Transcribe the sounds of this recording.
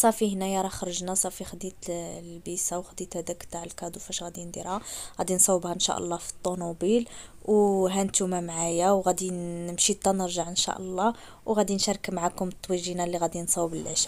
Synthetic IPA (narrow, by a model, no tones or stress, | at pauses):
sˤɑfihnæjɑɾˤɑxɾˤəʒnæsˤɑfixd̪it̪lbisawxd̪it̪hæd̪ækt̪aʕəlkɑd̪ufæʃɣæd̪ind̪iɾhaɣæd̪insˤɑwːəbhaənʃæ̰ʔə̰lˤːɑfi̥t̪ˤːonubilwɦænt̪umæmʕajawɣæd̪iəmʃit̪ˤːɑnəɾʒaʕʔənʃæ̰ʔəlˤːɑ | wɣæd̪inʃæɾˤkmaʕakʊmt̪ˤːwiʒinælːiɣæd̪insˤɑwbəlʕəʃ